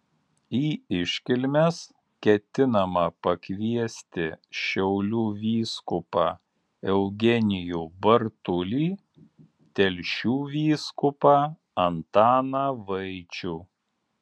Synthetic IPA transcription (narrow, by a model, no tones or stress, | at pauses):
iːɪʃʲkʲɪlʲmʲɛs | kʲɛt̪ʲɪnɐmɐpɐkʲʋʲiɛsʲt̪ʲɪʃʲɛʊlʲuːʋʲiːskʊpɑː | ɛʊɡʲɛnʲɪjuːbɐɾt̪ʊlʲiː | t̪ʲɛlʲʃʲuːʋʲiːskʊpɑː | ɐnt̪ɑːnɑʋɐɪt͡ʃʲuː